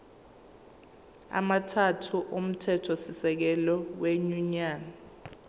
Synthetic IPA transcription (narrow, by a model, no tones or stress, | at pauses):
a̰matʰatʰuʔom̩tʰɛtʰɔsisɛk̬ɛlɔweɲuɲaːna